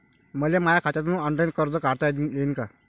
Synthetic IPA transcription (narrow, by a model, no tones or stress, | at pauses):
məljamajakʰat͡ɕat̪nuːəɳʈajnkəɾd͡zəkaɽt̪ajeinka